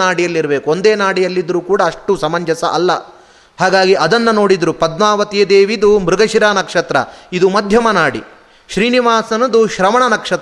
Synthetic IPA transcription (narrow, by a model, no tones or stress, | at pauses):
naːɽijɐlːiɾɐbeːkuo̞nd̪eːnaːɽijɐlːid̪ɐɾuːkuːɽɐɐʂʈusɐmɐɲd͡ʒɐsɐ̰ʔɐlːɐ̰ | haːɡaːɡiʔɐd̪ɐnːɐno̞ːɽid̪ɾupɐd̪maːʋɐt̪ijɐd̪eːʋid̪umɾuɡɐʃiɾaːnɐkʂɐt̪ɾɐ̰id̪umɐd̪ʱjɐmɐnaːɽḭ | ʃɾiːniʋaːsɐnɐd̪uʃɾɐmɐɳɐnɐkʂɐt̪